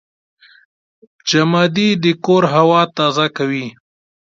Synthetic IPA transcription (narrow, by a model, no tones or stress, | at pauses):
d͡ʒamɑd̪id̪əkoɾɦawɑt̪ɑzakawi